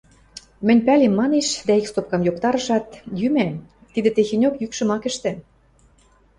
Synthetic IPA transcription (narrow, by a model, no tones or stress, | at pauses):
mɘ̆nʲpælemːɑneʃd̪æikst̪op̚kɑmjokt̪ɑɾɤ̆ʃɑt̪jymæ | t̪id̪ɘ̆t̪exenʲokjykʃə̆mɑkɘ̆ʃt̪ɘ̆